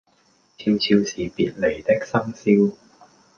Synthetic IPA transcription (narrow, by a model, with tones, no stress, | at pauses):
iː˧wt͡sʰiː˧wsiː˨piː˨t̚le˨˩jt̪ɪ˥k̚sɐ˥ŋsiː˥w